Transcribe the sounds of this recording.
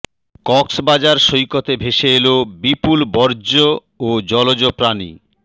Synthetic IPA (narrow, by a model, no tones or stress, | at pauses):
kɔksbad͡ʑaɾʃojkot̪ebʱeʃeelobipulbɔɾd͡ʑo | od͡ʑɔlod͡ʑopɾanḭ